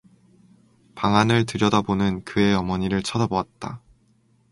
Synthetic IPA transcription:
paŋanɯɭtɯɾjʌdabonɯnkɯe̞ʌmʌɲiɾɯɭt͡ɕʰʌdʌboat̚t͈a̰

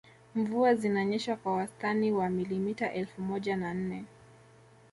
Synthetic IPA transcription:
ɱvuazinaɲɛʃwakwawastaniwamilimitaʔɛlfumɔʄanan̩nɛ

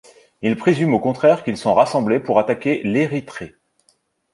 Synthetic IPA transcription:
ilpχezymokɔ̃t̪χɛʁkʲilsɔ̃ʁasɑ̃blepuʁat̪akʲeleʁit̪χe

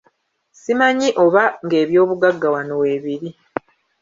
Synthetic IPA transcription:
simaɲiʔo̞βaŋɡe̞ːβjo̞ːβuɡaɡːawano̞we̞ːβiɾi

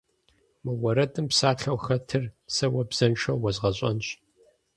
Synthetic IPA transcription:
mɨwɐɾɐtʼɨmpsaːɬʰɐwxɐtʰɨrsɐwɐbz̥ɐnʃʰɐwwɐzʁɐɕʼɐ̰nɕ

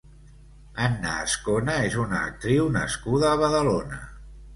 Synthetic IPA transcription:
anːa̰ːskonəezunəːk̚t̪ɾiwnəskuðəːβ̞əðəlonə

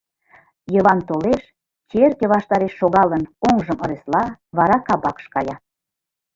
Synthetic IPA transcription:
jəβɑnt̪oleʃ | t͡ɕerkĕβɑʃt̪ɑɾeʃːoɣɑlənoŋʒəmŏɾeslɑβɑɾɑkɑbɑkʃkɑjɑ

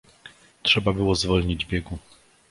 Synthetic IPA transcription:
tʂɛbabɘwɔzvɔlɲid͡ʑbʲjɛɡu

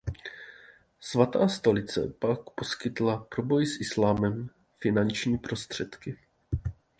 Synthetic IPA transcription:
svat̪aːst̪o̞lɪt͡sɛ̰pakpo̞skɪt̪lapɾo̞bo̞jsʔɪslaːmɛm | fɪnant͡ʃɲiːpɾo̞st̪r̝̥ɛt̪kɪ

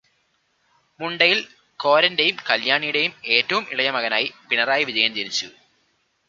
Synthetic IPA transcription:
muɳɖɐjil | ko̞ːɾɐndejumkɐljaːɳijuɽejume̞ːtːɐʋumḭɭɐjɐmɐɣɐnaːjipinɐraːjiʋid͡ʑɐjɐmt̪iɾit͡ɕːṵ

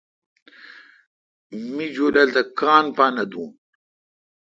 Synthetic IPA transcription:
mid͡ʑoːlɐlt̪akaːnpaːnɐd̪ũː

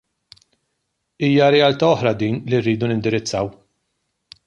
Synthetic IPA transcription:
iːjɐɾɛɐlt̪ɐɔħɾɐd̪iːnlirːiːd̪unɪnd̪ɪɾɪt͡sːɐw

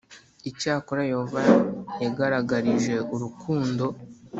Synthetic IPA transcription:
icaːkoɾajo̞ːvajaɡaɾaɡaɾiʒe̞ʔuɾukʰuːndo̞

